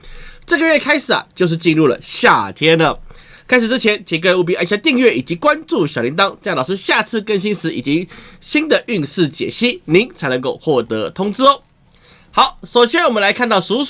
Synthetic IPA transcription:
ʈ͡ʂɤ˥˩ɡə˨ɥɛ˥˩kʰa˥ɪʂɻ̩˨˩ɐ̰˩t͡ɕjo˥˧ʊʂ̬̩˥˩t͡ɕi˥˧nɻu˥˩lə̰˩ɕja˥˩t̪ʰjɛ˥nlə˨ | kʰa˥ɪʂ̬ɻ̩˨˩ʈ͡ʂɻ̩˥t͡ɕʰjɛ˨˧˥nt͡ɕʰi˧˥˩kə˥˧nu˥˩p̬i˧˥ʔa˥˧ɕja˥˧t̪i˥˧ŋɥɛ˥˩i˨˩t͡ɕi˧˥kwa˦nt͡su˥˩ɕjɑ˨˩ʊli˧˥ŋt̪ɑ˥ŋʈ͡ʂlɑ˨˩ʊʂɻ̩˥˧ɕja˥˧t͡sʰɹ̩˥˩kə˦nɕ̬i˥nʂɻ̩˧˥ḭ˨˩t͡ɕi˧˥ɕi˥nd̪ə˨ʔy˥˧ŋʂɻ̩˥˩t͡ɕjɛ̰˨˩ɕi˥˩ni˧˥ŋt͡sʰa˧˥ɪnɤ˧˦ŋko˥˧ʊxwɔ˥˩t̪ɤ˧˥t̪ʰʊ˥ŋt͡s̩˥˧ | xɑ˧˦ʊʂo˨ʊɕjɛ˥nwɔ˨˩mə˦nla˧˥ɪkʰa˥˧nt̪ɑ˥˩ʊsu˧˥

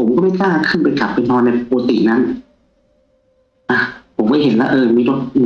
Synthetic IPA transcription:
pʰo˩˦mkɔ˥˩ma˥˩jkaː˥˩ŋkʰɯ˥˩npa˧jka˨˩p̚ːa˧t̪ʰɔː˧na˧jpoː˧t̪ḭ˨˩na˦˥n | ʔa˧˩pʰo˨˩˦mkɔː˥˩jɦe˨˩˦nlɛː˦˥ʔɤː˧miː˧˩ɾo˦˥t̪̚ː

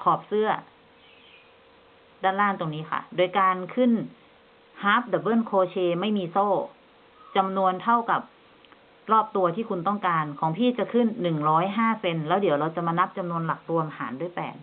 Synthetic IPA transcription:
kʰɔː˨˩p̚sɯ˥˩ɐ | daː˥˩nlaː˥˩˨nt̪o˧ŋniː˦˥kʰa̰˥˩doː˧jkaː˧nkʰɯ˥˩n | haː˦˥p̚da˨˩bɤː˥˩˨nkʰoː˧t͡ɕʰeː˧ma˥˩jmiː˧soː˥˩ | t͡ɕa˧mnu˧ənt̪ʰa˥˩wka˨˩p̚ | ɾɔː˥˩p̚t̪u˧ɐt̪ʰiː˥˩kʰu˧nt̪ɔ˥˩ŋkaː˧nkʰɔː˩˦ŋpʰiː˥˩t͡ɕa˨˩ʔkʰɯ˥˩nːɯ˨˩ŋɾɔː˦˥jɦaː˥˩se˧nlɛː˦˥wdiː˨˩˦əwɾa˧wt͡ɕa˨˩maː˧na˦˥p̚t͡ɕa˧mnu˧ənla˨˩k̚ɾu˧əmʔa˧ha̰ː˩˦ndu˥˩˨jpɛ̰ː˨˩n

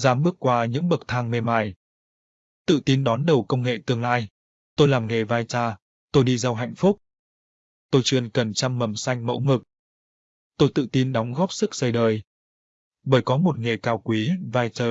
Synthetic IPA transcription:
zaː˨˦mɓɨ˦˥ək̚kwaː˧ɲɨ̰˧˥ŋɓə˨˩k̚t̪ʰaː˧ŋme˧maː˧˩j | t̪ɨ̰˧˨t̪i˧nɗɔ˨˦nɗə˨˩wkə˧wŋ͡mŋḛ˧˨t̪ɨ˧əŋlaː˧j | t̪o˧jlaː˨˩mŋe˨˩vaː˧jt͡ɕaː˧ | t̪o˧jɗi˧za˧wɦa̰˧˨jŋ̟fʊ˦˥k͡p̚ | t̪o˧jt͡ɕɨ˧ənkə˨˩nt͡ɕa˧mːə˨˩msa˧jŋ̟mə̰˧˥wŋɨ˨˩k̚ | t̪o˧jt̪ɨ̰˧˨t̪i˧nɗɔ˨˦wŋ͡mɣɔ˦˥p̚sɨ˦˥k̚sə˧jɗəː˨˩j | ɓəː˧˩jkɔ˨˦mo˨˩t̚ŋe˨˩kaː˧˩wkwi˨˦vaː˧jt͡ɕəː˧˩

